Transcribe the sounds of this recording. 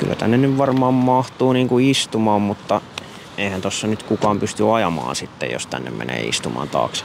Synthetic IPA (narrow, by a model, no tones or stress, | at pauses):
kylːæ̰t̪ænːenyʋʋɑrmɑːmmɑht̪uːniːŋkuist̪umɑːmmut̪ːɑ | eihænt̪osːɑnyt̪kukɑːmpyst̪yɑjɑmɑ̰ːnsit̪ːḛjjo̰st̪ænːḛmmḛnḛːḭst̪umɑ̰ːnt̪ɑ̰ːks